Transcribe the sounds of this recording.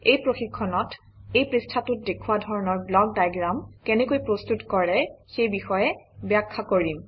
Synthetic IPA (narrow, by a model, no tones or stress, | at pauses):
ejpɹoxikʰːɔnɔt | ejpɹistʰatut̚dekʰuwadʱɔɹɔnɔɹblɔɡ̚dajɡɹamkɛnɛkojpɹostutkɔɹɛxejbixɔjɛbjakʰːakoɹim